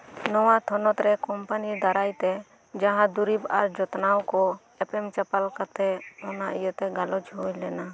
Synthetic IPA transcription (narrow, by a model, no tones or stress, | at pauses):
nɔwat̪ʰɔnɔt̪ɾɛkɔmpanid̪aɾajt̪ɛ | d͡ʒaɦãd̪uɾibaɾd͡ʒɔt̪nawkɔ | ɛpɛmt͡ʃapalkat̪ɛɔnaʔijɔt̪ɛɡalɔd͡ʒɦujlɛna